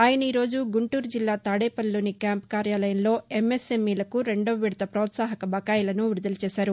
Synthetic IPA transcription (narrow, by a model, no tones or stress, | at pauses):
aːjɐnɐiːɾo̞ːd͡ʒuɡuɳʈuːɾd͡ʒilːaːt̪aːɽeːpɐlːuːnikjaːmpkaːɾjaːlɐjɐmlo̞ːemːesemiːlɐkuɾe̞ɳɖoːʋiɽt̪ɐpɾɐːt̪saːɦɐkɐbɐkaːjɐlɐnuʋiɾud̪ɐlɐt͡ʃɛːʃaːɾu